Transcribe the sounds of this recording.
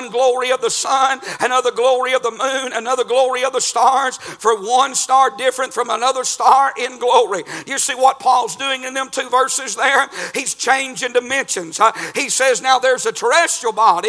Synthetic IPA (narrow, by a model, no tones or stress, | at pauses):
nɡlɔɹiʌvðəsʌ̃nɨnʌðə˞ɡlɔɹiʌvðəmũnɨnʌðə˞ɡlɔɹiʌvðəstɑɹz̥fə˞wʌ̃nstɑɹdɪfɹɨ̃ntfɹʌ̃mənʌðə˞stɑɹʔɪ̃nɡlɔɹijɨsiwʌt̚pʰɔlˠzdʉɪ̃ŋɨ̃nðɨ̃mtʰʉvɜ˞sɨzðə˞hiz̥t͡ʃʰẽɪ̃nd͡ʒɪ̃ŋdɨmɛ̃nʃɨ̃nz̥hisɛznaʊðə˞zɨtʰə˞ɛstl̩bɑɾi